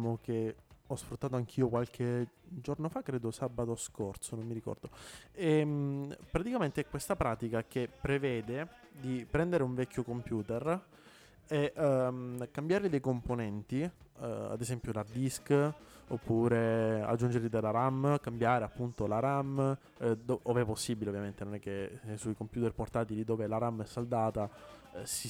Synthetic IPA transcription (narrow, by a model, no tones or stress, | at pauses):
mok̟eɔsfɾut̪ːaːt̪oaŋk̟ʰiːokwalk̟ʰed͡ʒornofakːɾeːd̪osabat̪oskort̪sonomːiɾikɔ̰rd̪oe | pːɾat̪ikament̪eɛkːwest̪apɾaːt̪ikak̟epːɾevɛːd̪e | d̪ipɾɛnd̪eɾeuɱvɛkʰʲːokompjuːt̪er | e | kambjaɾlid̪ejkomponɛnt̪ia̰d̪esɛmpjolard̪iskopːuːɾea̰d͡ʒːund͡ʒeɾlid̪elaɾamːkambjaːɾeapːunt̪olaɾamː | d̪oovɛpːosːiːbileovjament̪enonɛkːesujkompjuːt̪erport̪aːt̪ilid̪oːvelaɾamːɛsːald̪aːt̪asi